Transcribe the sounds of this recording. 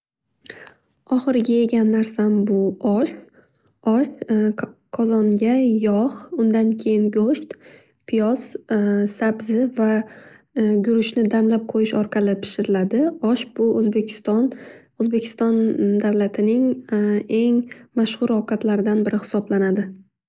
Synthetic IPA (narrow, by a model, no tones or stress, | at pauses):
ɒχɨɾɪɡʲae̞ɡʲanːaɾsambʊɒʃ | ɒʃ | qʰɒzɒŋɡʲajɒχʊnd̪ankʲʰe̞jɪnɡoʃt̪ | pʰɪjɒz̥sabzɪva | ɡʊɾʊʃnɪd̪amlap̚qʰojɪʃɒɾqʰɑlˠɪpʰɪ̥ʃɪɾɪlad̪ɪɒʃb̥ʊozbekʲʰst̪n | ozbe̞kʲʰɪ̥st̪ɒnd̪awlat̪ʰɪnɪŋ | e̞ŋmaʃhʊɾɒqʰɑt̪laɾɪd̪anbɪɾʔɪhɪ̥sɒblanad̪ɪ